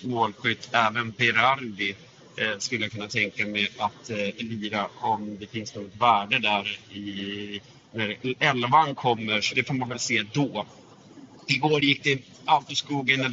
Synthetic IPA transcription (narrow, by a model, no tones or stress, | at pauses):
moːlɧʏt̪ʰːɛːvənbɛɾaɾd̪ɪ | skɵlːəjakʰɵnːat̪ʰɛŋkamɛat̪ɛliːɾaɔmd̪ɛfɪnsnuːɡɔt̪væːɖəd̪æɾɪ | næɾɛlvankʰɔmːəɾʂɔd̪ɛfoːɾmanvɛlseːd̪ɔː | ɪɡoːɾjɪk̚ːd̪ɛ | aʊt̪ɔskuːɡənːɛ